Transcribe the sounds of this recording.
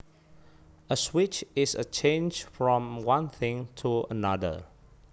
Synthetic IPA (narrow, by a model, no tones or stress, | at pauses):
əswɪt͡ʃɪsə̰t͡ʃʰẽnd͡ʒfɹɔ̃mwãnθɪ̃ŋtʰuə̰nadə̰